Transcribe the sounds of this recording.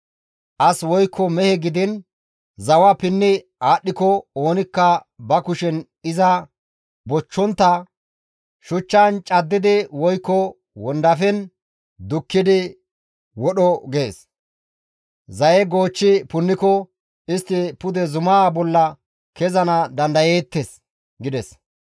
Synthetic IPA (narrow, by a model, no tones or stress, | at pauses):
ʔɐswɔjkʰːɔmɛhɛɡɪd̪ɪn | zɐwɐpɪnːɪ | aːɗːɪkɔoːnɪkːɐbɐkʊʃɛn | ɪzɐ | bɔt͡ʃːɔnt̪ːɐ | ʃʊt͡ʃːant͡ʃʼɐd̪ːɪd̪ɪwɔjkːɔ | wɔnd̪ɐfɛn | d̪ʊkːɪd̪ɪ | wɔɗɔɡe̞ːs | zɐjɛɡo̞ːt͡ʃːɪpʊnːɪkɔ | ɪst̪ːɪpʊd̪ɛzʊmaːbɔlːɐ | kɛzɐnɐd̪ɐnd̪ɐjeːt̪ːes | ɡɪd̪ɛs